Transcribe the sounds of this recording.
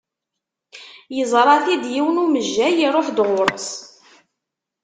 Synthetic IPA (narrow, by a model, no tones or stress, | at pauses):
jəzˤɾˤɑθid̪jiwənuməʒːæjiɾˤoħd̪ʁʊɾˤs